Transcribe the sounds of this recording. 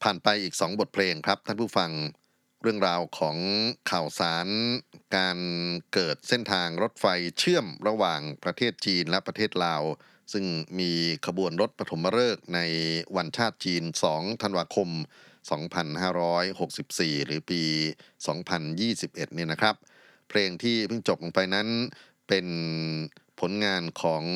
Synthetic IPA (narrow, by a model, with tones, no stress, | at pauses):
pʰaː˨˩npa˧jʔiː˨˩k̚sɔː˩˦ŋbo˨˩t̪̚pʰleː˧ŋkʰɾa˦˥p̚t̪ʰaː˥˩pʰuː˥˩fa˧ŋ | ɾɯ˥˩əŋɾaː˧wkʰɔː˩˦ŋkʰa˨˩wsaː˩˦nkaː˧nkɤː˨˩t̪̚se˥˩nt̪ʰaː˧ŋɾo˦˥t̪̚fa˧jt͡ɕʰɯ˥˩əmɾa˧waː˨˩ŋpɾa˧t̪ʰeː˥˩t̪̚t͡ɕiː˧nlɛ˦˥pɾa˧t̪ʰeː˥˩t̪̚laː˧w | sɯ˥˩ŋmiː˧kʰa˧bu˧ənɾo˦˥t̪̚pa˧t̪ʰo˩˦mːa˧ɾɤː˥˩k̚na˧jwa˧nt͡ɕʰaː˥˩t̪̚t͡ɕiː˧nsɔː˩˦ŋt̪ʰa˧nwaː˧kʰo˧msɔː˩˦ŋpʰa˧nhaː˥˩ɾɔː˦˥jho˨˩k̚si˨˩p̚siː˨˩ɾɯː˩˦piː˧sɔː˩˦ŋpʰa˧njiː˥˩si˨˩p̚ʔe˨˩t̪̚ni˥˩˨na˦˥kʰɾa˦˥p̚ʰ | leː˧ŋt̪ʰiː˥˩pʰɯ˥˩ŋt͡ɕo˨˩p̚lo˨˩ŋpa˧jna˦˥n | pe˧n | pʰo˩˦nŋaː˧nkʰɔː˩˦ŋ